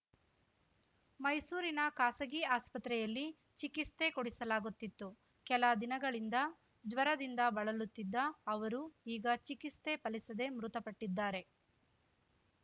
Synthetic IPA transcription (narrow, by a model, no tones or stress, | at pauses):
mɐjsuːɾinɐkaːsɐɡiaːspɐt̪ɾɛjɐlːi | t͡ʃikist̪e̞koɽisɐlaːɡut̪ːit̪ːu | kɛlɐd̪inɐɡɐɭind̪ɐ | d͡ʒʋɐɾɐd̪ind̪ɐbɐɭɐlut̪ːid̪ːɐːʋɐɾuiːɡɐt͡ʃikist̪e̞pɐlisɐd̪e̞mɾut̪ɐpɐʈːid̪ːaːɾe̞